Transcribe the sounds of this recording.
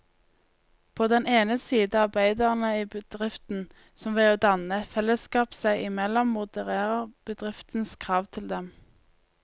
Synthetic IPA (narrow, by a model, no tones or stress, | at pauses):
pʰoːd̪ɛneːnəsiːd̪ɑʁbæɪd̪ɑʁənəiːbəd̪̥ʁɪft̪n̩ | sɔmʋeːoːd̪ɑnəfɛləskɑːpsæɪʔɪmɛlɔmːʊd̪əʁeːʁəʁb̥əd̪ʁɪft̪n̩skʰʁɑːʋt̪ʰɪld̪ɛm